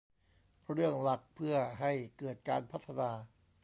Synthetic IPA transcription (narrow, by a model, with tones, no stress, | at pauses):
ɾɯ˥˩əŋla˨˩k̚pʰɯ˥˩ɐɦa˥˩jkɤː˨˩t̪̚kaː˧npʰa˦˥t̪ʰːa˧naː˧